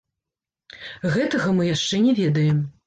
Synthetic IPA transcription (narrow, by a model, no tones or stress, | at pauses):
ɣɛt̪ɐɣɐmɨjaʂt͡ʂɛnʲɛvʲɛd̪ɐjɛm